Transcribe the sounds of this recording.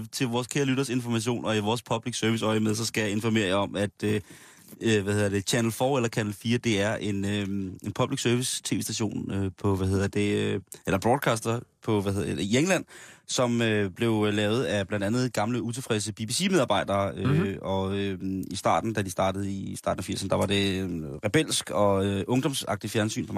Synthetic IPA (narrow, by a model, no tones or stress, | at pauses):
t͡sʰe̝lʋɒːskʰeɐlyɾ̥ɐse̝nfɒ̽mæɕ̬o̝̰ːnɒ̽iʋɒːspʰɒ̽b̥liɡ̥sœɐʋisɒɪmeð̞ˠsɒ̽sɡ̥æjɑ̈e̝nfɒ̽me̝̰ːɐ̰jɑɒ̽mæd̥ | ʋæhe̝ð̰ˠɐd̥e̝kʰænl̩fɒːelɐkʰænl̩fiːɐd̥e̝æɐʔe̝nøenpʰɒ̽b̥liɡ̥sœɐʋist͡sʰe̝̰ːʋesd̥æɕo̝̰ːnøpʰɒ̽ʋæhe̝ð̰ˠɐd̥e̝elɐb̥ʁɔːd̥̚ˠkʰɑːsd̥ɐpʰɒ̽ʋæhe̝ðˠɐded̥ejeŋəlæn̰sɒ̽møb̥le̝ʊlɛːʊð̞̩ˠæb̥lænd̥ænð̞̩ˠɡ̥ɑ̈mləut͡sʰe̝lfʁɛs̬əb̥ib̥isimeð̞ˠɑ̈ːb̥ɑ̈ɪd̥ɐːøɒ̽øisd̥ɑ̰̈ːd̥n̩d̥æd̥isd̥ɑ̈ːdəð̞̩ˠisd̥ɑ̈ːdn̩æfiɐsɐnəd̥ɑ̈ʋɑ̈ɾ̥e̝ʁɛb̥el̰sɡ̥ɒ̽ʔɔ̽ŋd̥ɒ̽msɑ̈ɡ̥̚d̥ifjæɐnsy̰ːnpʰɒ̽m